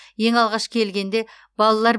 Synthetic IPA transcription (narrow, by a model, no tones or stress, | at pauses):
je̞ŋɑlˠʁɑʃkʲʰelɡʲe̞nd̪e̞ | b̥ɑlˠɑlˠɑɾ